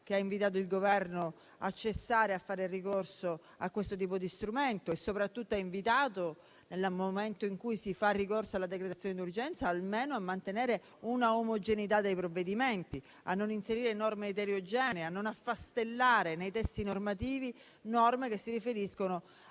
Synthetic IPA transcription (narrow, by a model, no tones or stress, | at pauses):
k̟eaiɱvit̪̬aːt̪̬oilɡovɛrno | a̰t͡ʃːesːaːɾeafːaːɾerikorso | akwest̪ot̪̬iːpod̪ist̪ɾument̪oesːopɾat̪ːut̪ːoaiɱvit̪aːt̪o | nelːmoment̪oiŋkujsifarːikorsoalːad̪ekɾet̪at̪sjoːned̪urd͡ʒɛnt̪saːlmeːnoamːant̪eneːɾe | unaomod͡ʒenit̪̬ad̪ːejpɾovːed̪iment̪i | a̰nːoninseɾiːɾenɔrmeːt̪eɾjod͡ʒɛːneanːonafːast̪elːaːɾenejt̪ɛst̪inormat̪̬iːvi | nɔrmekesːiɾifeɾiskono